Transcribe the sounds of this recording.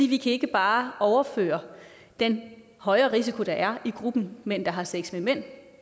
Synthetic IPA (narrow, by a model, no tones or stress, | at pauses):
dḭːʋikʰæe̝ɡ̥əb̥ɑ̈ːɒʊɐfø̰ːɐ | d̥en | hɒ̽ɪɐʁis̬ikʰo̝ɾ̥ɑ̈ʔæɐiɡ̥ʁub̥n̩men̰d̥ɑ̈ɦɑ̈seɡ̥smemen̰